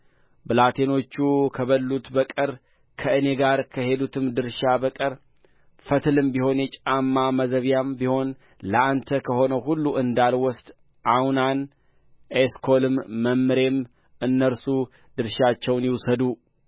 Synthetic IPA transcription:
bɨlat̪ʰe̞no̞t͡ʃːukʰəβəlːut̪bəkʼɨɾ | kʰəɨne̞ɡaɾkʰəhe̞d̪ut̪ʰɨmd̪ɨɾʃabəkʼəɾ | fət̪ʰɨlɨmbiho̞njɛt͡ʃʼamːaməzəβjambiho̞n | ləant̪ʰəkʰəho̞nəwɦulːuʔɨnd̪alwɔst̪ | ʔawnan | ʔeskʰo̞lɨmːəmːɨɾe̞m | ʔɨnːəɾsu | d̪ɨɾʃat͡ʃːɛwnjiwsəd̪u

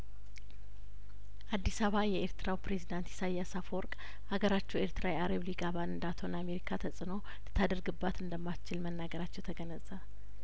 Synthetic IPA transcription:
ʔad̪ːisaβajɛeɾt̪ɨɾawpɾezid̪ant̪jɛ̥sajasafɔɾkʼ | ʔaɡəɾat͡ʃːuweɾt̪ɨɾawjaɾeβliɡaβanɨnd̪at̪ʰo̞name̞ɾikʰat̪ʰəsʼɨno̞ | lɨt̪ʰːad̪əɾɡɨbːat̪ɨnd̪əmːat͡ʃːɪlmənːaɡəɾat͡ʃːɛwt̪ʰəɡənəzʼəβ

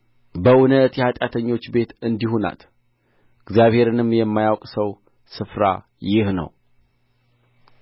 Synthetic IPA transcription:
bəʔʊnət̪jɛhat̪ʼjat̪ʰəɲːo̞t͡ʃːbe̞t̪ɨnd̪ihuna̰t̪ | ɨɡzjaβhe̞ɾɨnɨmjɛmːajawkʼsəw | sɨfɾa̰ | jɪhnə̰w

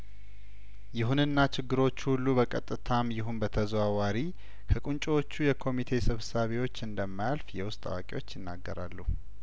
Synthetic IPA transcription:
jɪɦunɨnːat͡ʃʰɪɡːɨɾo̞t͡ʃːuhulːubəkʼət̪ʼːɨt̪ʰamjɪɦunbət̪ʰəzwawaɾi | kʰəkʼunt͡ʃʼwo̞t͡ʃːujɛkʰo̞mit̪ʰe̞sɨβsaβewo̞t͡ʃːɨnd̪əmːajalfjɛwʊst̪ʼa̰wa̰kʼewo̞t͡ʃːjɪnːa̰ɡːəɾa̰lːuh

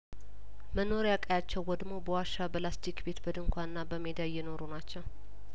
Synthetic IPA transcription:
məno̞ɾjakʼəjat͡ʃːɛwːɔd̪mobəwaʃabəlasd͡ʒikbe̞t̪bəd̪ɨŋkʷʰanɨnːabəmed̪ajɛno̞ɾonat͡ʃːɛw

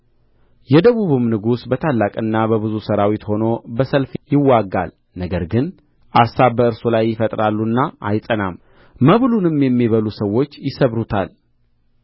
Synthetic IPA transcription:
jɛd̪əβuβɨmnɨɡusbət̪ʰalːakʼɨnːabəβɨzusəɾawit̪hono̞bəsəlfjɪwːaɡːa̰l | nəɡəɾɡɨn | ʔasaβbəɨɾsulajːɪfət̪ʼɾalːunːaʔa̰jsʼənam | məβlunɨmjɛmːiβəlusəwːo̞t͡ʃːjɪsəβɾut̪ʰa̰l

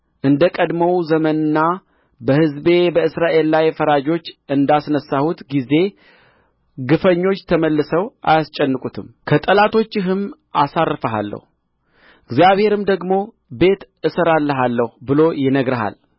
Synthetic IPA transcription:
ʔɨnd̪əkʼəd̪məwzəmənɨnːa | bəhɨzbe̞bəɨsɾaʔe̞lːajfəɾad͡ʒo̞t͡ʃːɨnd̪asnəsːahut̪ɡize̞ | ɡɨfəɲːo̞t͡ʃːt̪ʰəməlːɨsəwʔa̰jast͡ʃʼːɛnːɨkʼut̪ʰɨmkʰət̪ʼəlat̪ʰo̞t͡ʃːɪɦɨmʔasarːɨfəɦa̰lːə̰hu | ɨɡzijaβhe̞ɾɨmd̪əɡmo̞ | be̞t̪ | ɨsəɾalːəɦalːəhubɨlo̞jɪnəɡɾəɦa̰l

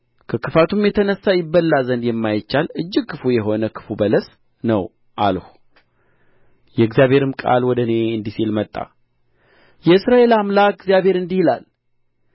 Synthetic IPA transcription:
kʰəkʰɨfat̪ʰumjɛt̪ʰənəsːajɪbːəlːazənd̪jɛmːajɪt͡ʃːalɨd͡ʒːɪɡ̚kʰːɨfujɛɦo̞nəkʰɨ̥fubələs | nəw | ʔa̰lhu̥ | jɛɨɡzijaβhe̞ɾɨmkʼa̰lwɔd̪əne̞ɨnd̪isilmət̪ʼːa̰ | jɛɨsɾae̞lamlaɡzijaβhe̞ɾɨnd̪ihila̰l

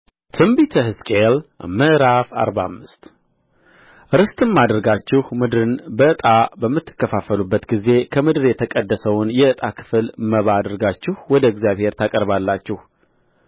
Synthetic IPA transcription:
t̪ʰɨmbit̪ʰəhɨskʼel̰mːəɾafa̰ɾbaamːɨst̪ | ɾɨst̪ʼɨmːad̪əɾɡat͡ʃːɪhmɨd̪ɾɨnbəɨt̪ʼabəmːɨt̪ːɨ̥kːəfafəlubːət̪ɡize̞kʰəmɨd̪ɾjɛt̪ʰəkʼəd̪ːəsəwnjɛɨt̪ʼakʰɨ̥fɨlməβaːd̪əɾɡat͡ʃːɪhwɔd̪əɪɡzjaβhe̞ɾt̪ʰakʼəɾβalːat͡ʃːɪh

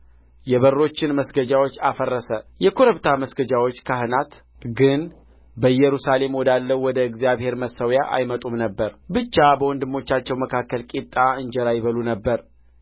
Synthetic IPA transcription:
jɛβərːo̞t͡ʃːɪnməsɡəd͡ʒawot͡ʃːafərːəsəjɛkʰoɾəβt̪ʰaməsɡəd͡ʒawot͡ʃːkʰaɦɨnat̪ | ɡɨn | bəjɛɾusale̞mwɔd̪alːəwɔd̪əɨɡzijaβhe̞ɾməsəwjaʔa̰jmət̪ʼumnəbːəɾbɨt͡ʃːabəwɔnd̪ɨmːo̞t͡ʃːat͡ʃːɛwməkʰakːəlkʼit̪ʼːaɨɲd͡ʒɛɾajɪβəlunəbːəɾ

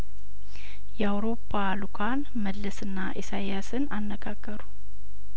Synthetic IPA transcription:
jɛawɾo̞pʰːalukʰan | məlːəsɨnːaʔesajasɨnanːəɡaɡːəɾu

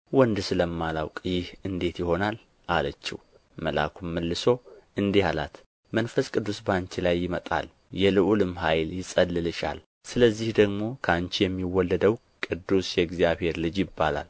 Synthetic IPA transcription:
wɔnd̪ɨsɨləmːalawkʼjɪhɨnd̪e̞t̪jɪho̞nal | ʔalət͡ʃːḭh | məla̰kʰumːəlːɨso̞ɨnd̪ehala̰t̪ | mənfəskʼɨd̪ːusbant͡ʃilajːɪmət̪ʼa̰l | jɛlɨʔulɨmɦajljɪsʼəlːɨlɨʃa̰l | sɨləzːihd̪əɡmo̞kʰəant͡ʃijɛmːiwːɔlːəd̪əw | kʼɨd̪ːusjɛɡzjaβhe̞ɾlɨd͡ʒjɪbːala̰l

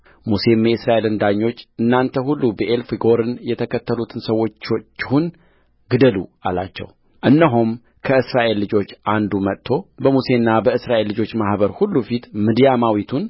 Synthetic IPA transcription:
muse̞meɨsɾaʔe̞lɨnd̪aɲːo̞t͡ʃːʔɨnːant̪ʰəɦulːubəʔelfɨɡo̞ɾɨnjɛt̪ʰəkʰət̪ʰːəlut̪ʰɨnsəwːo̞t͡ʃːot͡ʃːhun | ɡɨd̪əlṵala̰t͡ʃːɛ̰w | ʔɨnːəɦum | kʰəɨsɾaʔe̞lːɨd͡ʒo̞t͡ʃːʔand̪umət̪ʰːo̞bəmuse̞nːabəɨsɾaʔe̞lːɨd͡ʒo̞t͡ʃːmahβəɾhulːufit̪mɨd̪jamawit̪ʰun

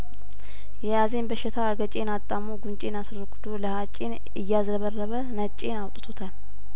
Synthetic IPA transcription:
jɛjaze̞nbəʃːɪt̪ʰaɡət͡ʃʼe̞nat̪ʼːamːoɡunt͡ʃʼe̞nasɾəɾɡɨd̪oləhat͡ʃʼen | ɨjːazɾəβərːəβənət͡ʃʼe̞nawt̪ʼt̪ʰot̪ʰal

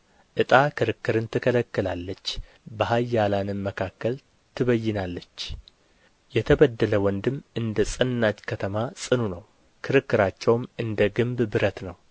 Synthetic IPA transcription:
ʔɨt̪ʼakʰɨɾɨkːɨɾɨnt̪ʰɨkʰələkːɨlalːət͡ʃː | bəɦajːalanɨnməkʰakːəl | t̪ʰɨβəjːɪnalːət͡ʃː | jɛt̪ʰəβəd̪ːələwɔnd̪ɨmɨnd̪əsʼɨnːad͡ʒkʰət̪ʰəmasʼɨnunəw | kʰɨɾɨkːɨɾat͡ʃːɛwmʔɨnd̪əɡɨmbbɨɾət̪nəw

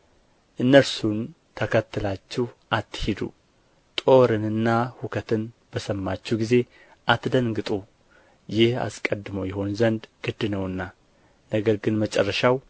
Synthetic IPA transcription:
ʔɨnːəɾsun | t̪ʰəkʰət̪ːɨlat͡ʃːɪhʔat̪ːɨhid̪ṵ | t̪ʼo̞ɾɨnɨnːahukʰət̪ʰɨn | b̥əsəmːat͡ʃːɛwɡize̞ | ʔat̪d̪əŋɡɨt̪ʼu | jɪha̰skʼəd̪ɨməwjɛɦo̞nzənd̪ɡ̥ɨd̪ɨnəwɨnːa | nəɡəɾɡɨnmət͡ʃʼərːəʃaw

